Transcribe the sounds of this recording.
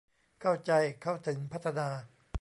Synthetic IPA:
kʰa˥˩wt͡ɕa˧jkʰa˥˩wt̪ʰɯ˩˦ŋpʰa˦˥t̪ʰːa˧naː˧

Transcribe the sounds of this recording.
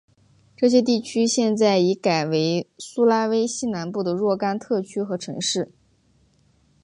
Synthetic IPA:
ʈ͡ʂɤ˥˩ɕ̬jɛ˥t̪̬i˥˩t͡ɕʰy˥ɕjɛ˥˧nt͡sa˥˩ɪi˧˥ka˨˩ɪwe˧˥ɪsu˥la˥we˥ɪɕi˥na˧˥npu˥˩d̪ə˩ɻwɔ˥˩ka˥nt̪ʰɤ˥˩t͡ɕʰy˥xɤ˧˥ʈ͡ʂʰɤ̰˧˥ŋʂɻ̩˥˩

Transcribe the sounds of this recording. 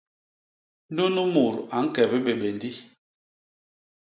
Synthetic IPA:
n˦du˦nu˦mu˨ɾa˨˦ŋ̩˦kɛ˨bɛ˦ɓe˨ɓe˨ndi˦

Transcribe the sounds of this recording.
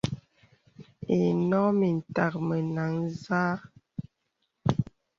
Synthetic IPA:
e˨nɔ˦mi˨n̩˨ta˨k̚mə˨na˨˦ŋzaː˦

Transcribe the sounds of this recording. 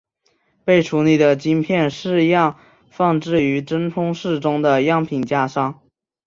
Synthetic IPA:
pe˥˩ɪʈ͡ʂʰu˧˥li˨˩d̪ə˩t͡ɕi˥npʰjɛ˥˧nʂɻ̩˥˧jɑ˥˧ŋ | fɑ˥˧ŋʈ͡ʂɻ̩˥˩y˧˥ʈ͡ʂə˥nt̪ʰʊ˥ŋʂɻ̩˥˩ʈ͡ʂʊ˥ŋd̪ə˨jɑ˥˩ŋpʰi˨˩ŋt͡ɕja˥ʂɑ˥ŋ

